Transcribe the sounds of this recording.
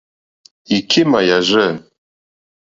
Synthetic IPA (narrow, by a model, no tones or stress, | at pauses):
ikʰimajaʒɨ